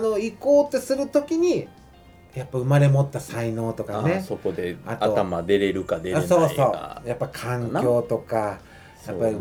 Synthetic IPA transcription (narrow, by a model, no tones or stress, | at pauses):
no̞iko̞ːt̪ːe̞sɨɾɯ̟t̪okʲiɲ̟i | japːaɯ̟maɾe̞mo̞t̪ːasaino̞ːt̪o̞kane̞sokod̪eat̪aoamad̪e̞ɾe̞ɾɯ̟kad̪eɾso̞ːso̞ːa̰japːakʰãŋkjo̞ːt̪o̞ka | japːai